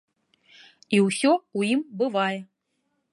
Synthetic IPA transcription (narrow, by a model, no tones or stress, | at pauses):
iwsʲɔuimbɨvajɛ